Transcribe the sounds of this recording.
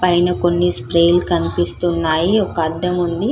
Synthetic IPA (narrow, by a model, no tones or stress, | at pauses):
pɐjnɐko̞nːispɾejlkɐnipist̪unːaːjiɔkɐɐd̪ːɐmund̪i